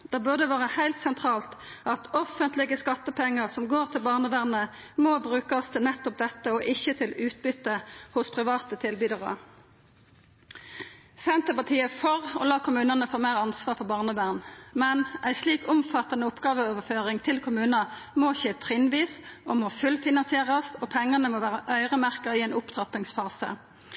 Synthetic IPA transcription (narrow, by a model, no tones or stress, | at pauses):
d̪̥ɑːbʉʁd̪əʋɑːʁəhæɪlt̪sɛnt̪ʰʁɑːlt̪ɑt̪ɔfənt̪lɪɡəskɑt̪ːəpʰɛŋːəʁsɔmɡoːʁt̪ʰɪlbɑːʁnəʋæʁnə | moːbʁʉːkəst̪ʰɪlnɛt̪ːɔp̚d̪ɛt̪ːəɔʔɪçːət̪ʰɪlʉːt̪̚bʏt̪ːəhʊspʰʁɪʋɑːt̪ət̪ʰɪlbyd̪ɑʁə̰ | sɛnt̪əpɑʁt̪ʰiːəfɔʁɔ̰lɑːkʰʊmʉːnənəfoːmeːʁɑnsʋɑːʁfɔbɑːʁnəʋæʁnmɛnʔæɪsliːkʊmfɑt̪ːɑnəʊpɡɑːʋəoːʋəføːʁɪŋt̪ʰɪlkʰʊmʉːnɑmoçeːt̪ʰʁɪnʋiːsɔmoːfʉlfɪnɑnsɪeːʁɑsɔpʰɛŋːɑnəmoːʋæːʁəʔœʏʁəmæʁkəiːɛːnʊpt̪ʰʁɑpɪŋsfɑːsə̰